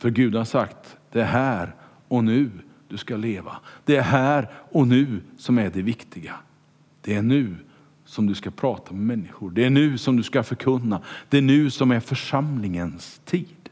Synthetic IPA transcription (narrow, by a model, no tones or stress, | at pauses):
fœɾɡʉ̟ːd̪haʂakt̪d̪̥ɛæɾɦæːɾ | ɔnʉ̟ː | d̪̥ɵskaleːva̰d̪̥ɛæɾɦæːɾɔnʉ̟ːsɔmæɖɛvɪkt̪ʰɪɡa | d̪̥ɛæɳʉ̟ː | sɔmd̪ɵskapʰɾɑːt̪ʰamɛmɛnːɪɧʊɖɛæɳʉ̟ːsɔmd̪ɵskafœɾkʰɵnːad̪̥ɛːɳʉ̟ːsɔmæɾfœʂamlɪŋənst̪ʰiːd̪̥